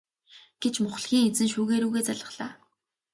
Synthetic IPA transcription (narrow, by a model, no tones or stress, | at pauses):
ɡ̥et͡ɕmʊχ̆ɮxʲiːŋet͡sɘ̆nʃuːɣeːɾuːɣeːt͡saɮə̆χɮaː